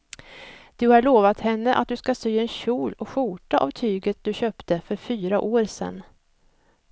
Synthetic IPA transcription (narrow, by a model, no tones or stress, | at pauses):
d̪̥ɵhaɭoːvat̪hɛnːəʔa̰t̪̚d̪ɵskasyːɛnɕuːlɔkɧuːʈaʔa̰vt̪ʰyːɡət̪̚d̪ɵɕœːpt̪əfœɾfyːɾaʔoːɾsɛ̰nː